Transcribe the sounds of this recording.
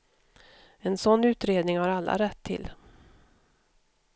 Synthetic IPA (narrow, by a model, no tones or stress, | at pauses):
ɛnsɔnːʉ̟ːt̪ɾeːd̪nɪŋhaɾalːa̰ɾɛt̪ʰːɪ̰lː